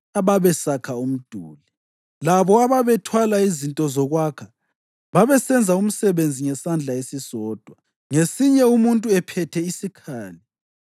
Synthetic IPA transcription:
aβaβɛsakʰaum̩d̥ʱuːli | laβɔaβaβɛtʰwalaizintʼɔzɔɣwakʰḁ | βaβɛsɛnd͡zʱaum̩sɛβend͡zʱiŋɛsand͡ɮʱaesisɔːd̥ʱwa | ŋesiɲɛumuntʼuɛpʰɛtʰɛisikʰaːli

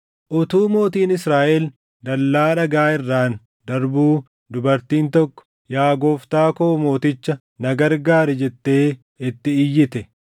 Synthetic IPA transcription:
ʔʊt̪uːmo̞ːt̪iːnɪsɾaːʔɛl | d̪ɐlːaːᶑɐɡaːɪrːaːn | d̪ɐɾbuː | d̪ʊbɐɾt̪iːnt̪ɔkːɔ̥ | jaːɡoːft̪aːkoːmo̞ːt̪ɪt͡ʃːɐ | nɐɡɐɾɡaːɾɛd͡ʒɛt̪ːe̞ː | ɪt̪ːɪɪjːɪt̪ɛ

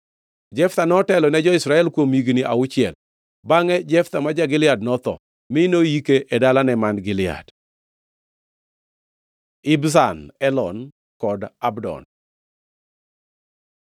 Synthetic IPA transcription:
d͡ʒɛft̪anɔtɛlɔnɛd͡ʒɔɪsɾaɛlkwomiɡnɪʔa̰ʊt͡ʃɪɛl | baŋɛd͡ʒɛft̪amad͡ʒaɡɪlɪad̚nɔt̪ɔ̰ | mɪnojikeʔedalanɛmanɡɪlɪa̰d | ɪbsanɛlɔn | kɔdabdɔ̰n

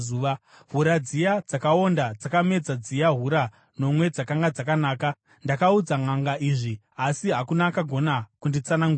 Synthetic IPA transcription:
uːʋa | ɦuɾad͡zijad͡zakao̞ndad͡zakame̞d͡zad͡zijaɦuɾa | no̞mwe̞d͡zakaŋɡad͡zakanaːka | ndakaud͡zaŋaŋɡaʔiːʐi | asiɦakunakaɡʱo̞nakundit͡sanaŋɡu

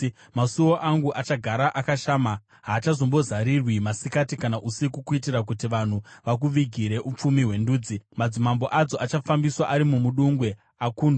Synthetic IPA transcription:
masuwo̞ʔaŋɡuʔat͡ʃaɡʱaɾaʔakaʃaːma | ɦaːt͡ʃazo̞mbo̞zaɾirwimasikatikanaʔusikukuitiɾak̬utiʋan̤uʋak̬uʋiɡʱiɾe̞ʔup͡fumiɦwe̞nduːd͡zimad͡zimambo̞ʔad͡zo̞ʔat͡ʃafambiswaʔaɾimumuɗuŋɡwe̞ | akuːndu

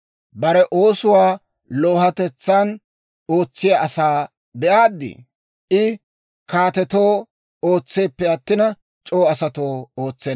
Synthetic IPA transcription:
bɐɾɛʔo̞ːsʊwaː | lo̞ːhɐt̪ɛt͡sːan | oːt͡sːɪjaʔɐsaː | bɛʔaːd̪ːɪ̰ | ʔɪ | kaːt̪ɛt̪o̞ː | oːt͡sːe̞ːpːɛɐt̪ːɪnɐ | t͡ʃʼo̞ːɐsɐt̪o̞ːoːt͡sːɛ

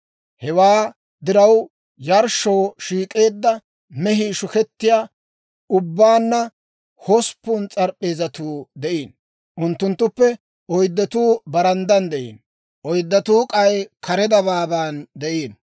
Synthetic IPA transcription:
hɛwaː | d̪ɪɾɐw | jɐɾʃoːʃiːkʼe̞ːd̪ːɐ | mɛɦiːʃʊkɛt̪ːɪjaː | ʊbːaːnːɐ | hɔspːʊnt͡sʼɐɾpʼːe̞ːzɐt̪uːd̪ɛʔiːn | ʔʊnt̪ːʊnt̪ːʊpːɛ | ɔjd̪ːɐt̪uːbɐɾɐnd̪ɐnd̪ɛʔḭːn | ʔɔjd̪ːɐt̪uːkʼɐjkɐɾɛd̪ɐbaːbaːnd̪ɛʔiːn

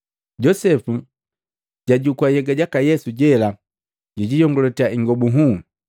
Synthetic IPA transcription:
ɟɔsɛfu | ɟaɟukwajɛɡaɟakajɛsuɟɛla | ɟiɟijɔŋɡɔlɔtiaiŋɡɔbuɦu

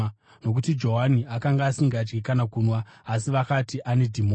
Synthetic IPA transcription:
no̞k̬utid͡ʒo̞ɦaniakaŋɡaːsiŋɡad͡ʒɡikanakuːnwaːsiʋakatiʔane̞dʱimo

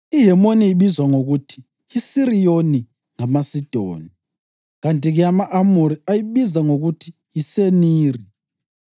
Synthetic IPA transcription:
iɦɛmoniiɓizwaŋoɣutʰi̥ | isirijoni | ŋamasid̥ʱo̰ːni | ɣantʼiɣɛamaʔamuɾiajiɓizaŋoɣutʰi̥ | jiseniːri

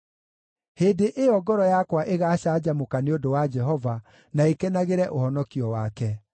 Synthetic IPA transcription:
heːdeʔeɔɡɔɾɔjakwaʔeɣaɕad͡ʑamokaneodowad͡ʒɛɦɔva | naekɛnaɣeɾɛʔohɔnɔkiɔwakɛ

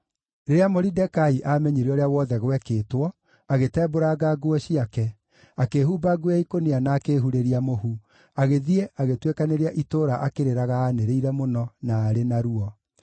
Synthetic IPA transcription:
ɾeɾeamoɾidɛkaiʔamɛɲeɾeɔɾeawɔðɛɣwɛkeːtwɔ | aɣetɛːboɾaɡaɡwɔɕiakɛ | akeːhuːbaɡuaikonianaːkeːɦuɾeɾiamohu | aɣeðiɛʔaɣetwekaneɾeaʔitoːɾaʔakeɾeɾaɣaːneɾeiɾɛmonɔnaːɾenaɾuɔ

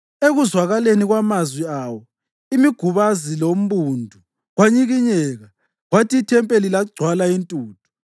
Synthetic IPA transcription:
eɣuzwaɣaleniɣwamazwiawɔ | imiɡ̥ʱuβazilom̩βundʱu | ɣwaɲiɣiɲɛɣa | ɣwatʰiːtʰɛmpʼelilaɡ͡ǀʱwalaintʼuːtʰu̥

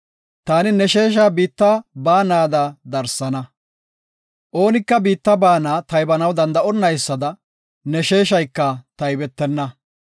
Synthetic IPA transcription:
t̪aːnɪnɛʃe̞ːʃ̬aːbiːt̪ːɐbaːnaːd̪ɐd̪ɐɾsːɐnɐ | ʔo̞ːnɪkːɐbiːt̪ːɐbaːnaːt̪ɐjbɐnɐwd̪ɐnd̪ɐɔnːɐjsːɐd̪ɐ | nɛʃe̞ːʃɐjkːɐt̪ɐjbɛt̪ːɛnːɐ

